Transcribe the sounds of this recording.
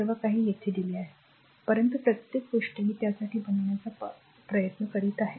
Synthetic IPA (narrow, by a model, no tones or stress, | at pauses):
ɾʋakaɦiːjet̪ʰed̪iliːaɦe | pəɾənt̪̬upɾət̪jekʋuʂʈəɦiːt̪jasaʈiːbʱənɳjat͡sa | pɾəjət̪nəkəɽiːt̪aɦe